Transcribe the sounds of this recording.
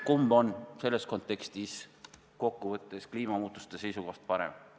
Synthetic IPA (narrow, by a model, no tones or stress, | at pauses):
kumbo̞nse̞lːe̞sko̞nt̪ːˑe̞kst̪is | ko̞kːuvɤt̪ːˑe̞skliːmɑmuːt̪ˑu̥st̪ese̞jsuko̞ht̪̚pɑɾḛm